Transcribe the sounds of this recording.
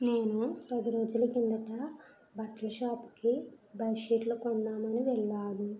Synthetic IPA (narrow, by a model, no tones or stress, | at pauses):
ne̞ːnupɐd̪iɾo̞ːd͡ʒulɐkind̪ɐʈɐ | bɐʈlɐʃaːpu̥ki | bɐjʃeːʈlɐkond̪aːmɐniʋɛɭːaːnu